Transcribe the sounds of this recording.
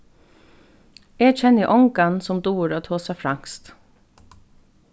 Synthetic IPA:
eːɡc͡çɛnəʔɔŋɡɑnsɔmd̪uːɾoːt̪ʰoːsɑfɾɑŋst̪

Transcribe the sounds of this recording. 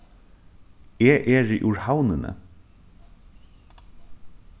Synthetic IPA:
eːʔɛːɹɪʔuɹhawnɪnə̰

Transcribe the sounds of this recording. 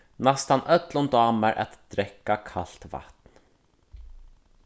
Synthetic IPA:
nast̪anʔœt̪lɔnd̪ɑːmaɹʔɛ̰t̪d̪̥ɾɛkːakʰa̰l̥t̪va̰t̪n

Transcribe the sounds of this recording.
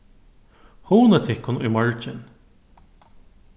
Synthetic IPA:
huːnət̪ʰɪhkːʊnʊjmɑɹt͡ʃɪn

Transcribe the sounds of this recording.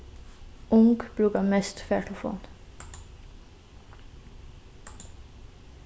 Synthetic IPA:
ʊŋɡb̥ɾʉɡɑmɛst̪feːʈʰʊfo̰ːn

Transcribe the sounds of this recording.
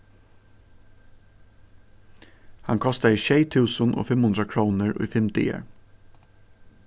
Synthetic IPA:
hɑ̰ŋkʰɔst̪ɑiːʃeɪt̪ʰʉːsənʔo̰ːfɛmhʉnd̪ɾɑkʰɹuːnəɹṵːfɪmt̪ɪ̰ə̰ɹ

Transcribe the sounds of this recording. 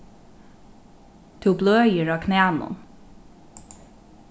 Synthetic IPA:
t̪ʰubløːjəɹaːkʰnæːnʊ̰n

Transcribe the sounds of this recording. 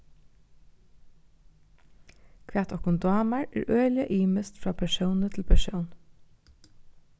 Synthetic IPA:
kʰʋæːt̪ʰɔkʊnd̪ɑːmaɹʔæ̰ːɹʔøːlɪəʔiːməst̪fɹɑːpʰæʃuʊnət̪ʰɪlpʰæʃuʊn

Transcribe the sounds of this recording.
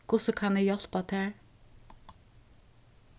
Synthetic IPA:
kʰʊsəkʰɑnɛjɛl̥pat̪ʰæːɹ

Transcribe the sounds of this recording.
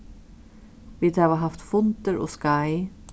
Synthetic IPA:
ʋid̪ɑːʋəɦɑft̪fʊnt̪əɾo̰ːskɑɪ

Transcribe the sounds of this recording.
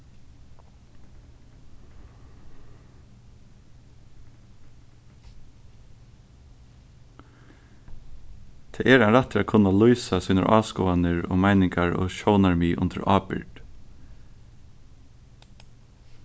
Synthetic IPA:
t̪ʰɛːʔɛɾanɾat̪fɪaːkʰʊnːalujsasiːnʊ̰ɹʔɑːskɔːanɪɹɔ̰ːmaɪnɪŋkaɹɔ̰ːʃɔʊnaɹmiːʔʊ̰nt̪ʰə̰ɾʔɑːpɪ̰ɾd̪̥

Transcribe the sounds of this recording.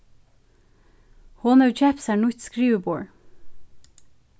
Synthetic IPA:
hɔnəʉt͡ʃʰɛpsæːɳʊçt̪skɹiːʋəboːɹ

